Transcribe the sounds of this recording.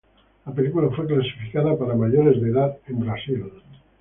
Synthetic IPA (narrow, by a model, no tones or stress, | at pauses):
lapelikulafweklasi̥fikaðapaɾamaʎoɾezðeðat̪embɾasil